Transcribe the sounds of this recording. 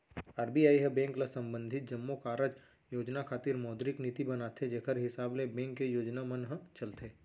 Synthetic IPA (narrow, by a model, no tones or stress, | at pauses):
aːɾbiaːiɦəbɛ̃ːŋklasɐ̃mbə̃nd̪ʱɪt̪̚d͡ʒɐmːokaːɾəd͡ʒ | joːd͡ʒnakʰaːt̪ɪɾmɔːd̪ɾɪknɪt̪ibɐnaːt̪ʰed͡ʒeːkʰəɾɦɪsaːblebɛ̃ːŋkːejoːd͡ʒnamənɦə̃t͡ʃɐlt̪ʰeː